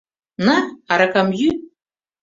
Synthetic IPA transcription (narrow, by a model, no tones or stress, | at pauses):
naaɾakamjy